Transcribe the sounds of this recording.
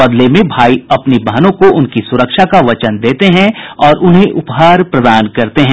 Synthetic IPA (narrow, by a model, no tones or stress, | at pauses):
bɐd̪lemẽbʱaːiɐpnibɐɦnõkoʔʊnkisʊɾəkʃakaʋɐt͡ʃənd̪eːt̪eɦɛ̃ɔːɾʔʊnɦẽʔʊpɦaːɾpɾɐd̪aːnkɐɾt̪eɦɛ̃ː